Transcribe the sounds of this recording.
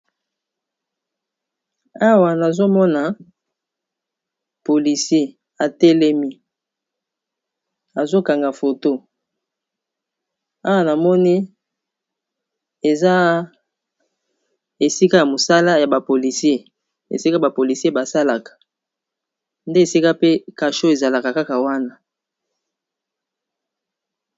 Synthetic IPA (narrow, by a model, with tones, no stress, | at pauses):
a˦wa˨na˨zo˦mɔ˦na˨ | po˨li˨sje˦˨ | a˨te˦le˦mi˦ | a˨zo˦ka˨ŋɡa˨fo˨to˦ | a˦wa˦na˨mɔ˦ni˦ | e˨za˦ | e˨si˦ka˦ja˨mo˨sa˦la˦ja˨ba˨po˨li˨sje˦ | ḛ˨si˦ka˦ba˨po˨li˨si˦e˦ba˨sa˦la˨kḁ˨ | nde˦˨si˦ka˦pe˦ka˨ʃo˦e˨za˨la˨ka˨ka˦ka˨wa˦na˦